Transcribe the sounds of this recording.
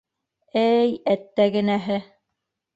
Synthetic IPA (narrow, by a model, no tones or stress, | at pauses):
æjæt̪ːæɡɘ̆næɦɘ